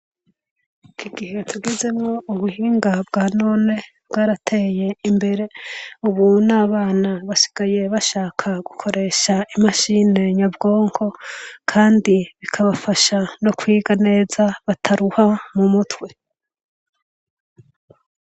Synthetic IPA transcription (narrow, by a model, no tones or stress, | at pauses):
kiɡihe̞tʰuɡize̞mŋo̞ʔuβuhiːŋɡab̚ɡaːnone̞bɡaːɾatʰe̞ːje̞imbe̞ɾe̞uβunaːβaːnaβaʃi̥ɡ̥aje̞βaʃaːkʰaɡ̥ukʰo̞ɾe̞ːʃaimaʃine̞ɲabɡo̞ːŋkʰo̞kʰaːndiβikʰaβafaʃano̞kwiːɡane̞ːzaβatʰaɾuhamumutwe̞